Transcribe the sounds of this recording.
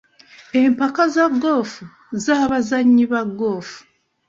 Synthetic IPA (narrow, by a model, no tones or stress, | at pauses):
empakazaɡo̞ːfu | zaβazaɲːiβaɡːo̞ːfu̥